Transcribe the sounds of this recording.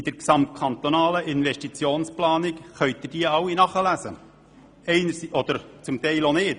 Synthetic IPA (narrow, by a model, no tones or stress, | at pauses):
ɪd̪̥əɾksɑmt̚kʰɑnt̪onɑːləʔɪnvɛʃtit͡sjoːnsplɑːnikχœʏt̪̚ɪd̥iːɑwːinɑχəlæsə | ɛɪnəɾsiʔɔd̪əɾt͡sʊmt̪ɛɪlonɪːt